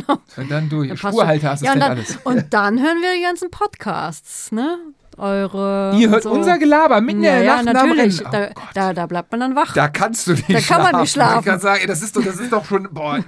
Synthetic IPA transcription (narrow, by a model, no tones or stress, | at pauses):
naʊnd̥andʊɐçasuːɐhaltɐasɪsjaʊnɛd̥ana̰ləsʔʊnt̚d̥anɦøːʁənviːɐdiːɡant͡sn̩pʰɔtkʰa̰ːst͡snə | ʔɔʏʁəiːɐɦøːɐtʊnzɐɡəlaːbɐmɪtnɛnaːnatnaːmyɐəɐlɪçd̥aɡ̥td̥aːdaːblaɪp̚tmandanvaχd̥aːkʰanst̚d̥uːndaːkanmanmɪʃlaːfkʰanzaːɡŋɛdas̬ɪstd̥ɔd̥as̬ɪstd̥ɔχʃoːnboːɐ